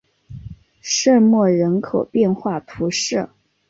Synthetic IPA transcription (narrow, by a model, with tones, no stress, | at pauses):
ʂə˥˧mwɔ˥˩ɻə˧˥nkʰo˨˩ʊpjɛ˥˧nxwa˥˩t̪ʰu˧˥ʂɻɤ˥˩